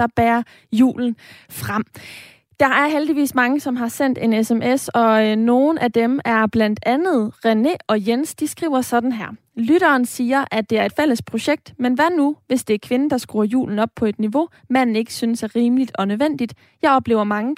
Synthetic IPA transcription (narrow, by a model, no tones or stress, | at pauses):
ɒb̥æːɐ | jṵːln̩fʁɑm̰ | d̥ɑ̈ʔæɐɦeld̥iʋḭːsmɑ̈ŋəsɒ̽mɦɑ̈sen̰d̥e̝nesemʔesɒ̽no̝ːn̩ʔæd̥emæɐb̥læn̰d̥ænð̞̩ˠʁeneɒ̽jensd̥isɡ̥ʁḭʊ̰ɐsɒ̽d̥n̩ɦæɐ̰ | lyɾ̥ɐːnsiːɐʔæd̥e̝æɐe̝d̥fel̰əspʰʁo̝ɕeɡ̥̚d̥menʋæɐnuʋe̝sd̥e̝æɐkʰʋe̝nəd̥ɑ̈sɡ̥ʁuːɐjṵːln̩ɒ̽b̥̚pʰɒ̽e̝d̥niʋo̝ | mæn̰n̩e̝ɡ̥ə̥synəsæɐʁiːməlid̥ɒ̽nøʋen̰d̥id̥ | jɑ̈ɪɒ̽b̥le̝̰ːʊɐmɑ̈ŋə